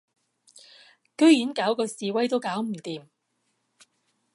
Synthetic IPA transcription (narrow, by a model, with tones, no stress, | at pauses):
kɵ˥ɥjiː˨˥nkaː˨˥wkɔː˧siː˨wɐ˥jt̪o˥wkaː˨˥wm̩˨˩t̪iː˨m